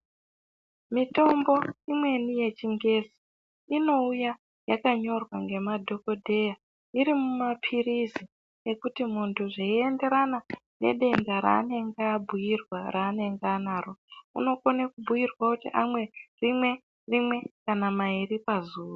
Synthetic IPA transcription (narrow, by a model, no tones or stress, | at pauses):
mito̞mbo̞imwe̞nije̞t͡ʃiŋɡe̞si̥ | ino̞uja | jakaɲo̞rwaŋɡe̞madʱo̞ko̞dʱe̞ja | iɾimumapʰirizi | ekutimuntʰuʐeie̞nde̞ɾanane̞̰ɗe̞ŋɡaɾa̰ːne̞ŋɡaːbʱujirwaɾaːne̞ŋɡaːnaːroṵno̞konakubʱujirwakutiʔamwe̞rimwe̞ | rimwe̞kanamairipazuːru